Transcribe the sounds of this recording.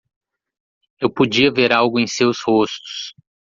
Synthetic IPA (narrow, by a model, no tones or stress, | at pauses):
ewpod͡ʒiɐveɾawɡʊẽj̃sewshost̪ʊ̥s